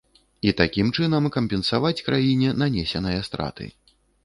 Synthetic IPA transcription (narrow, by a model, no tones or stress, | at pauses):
it̪akʲimt͡ʂɨnɐmkɐmʲpʲɛnsavat͡sʲkɾajinʲɛnanʲɛsʲɛnɐjɐst̪ɾʔa̰t̪ɨ̰